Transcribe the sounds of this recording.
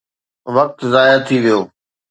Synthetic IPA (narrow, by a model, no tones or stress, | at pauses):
ʋɐk̚t̪zaːjat̪ʰiʋijoː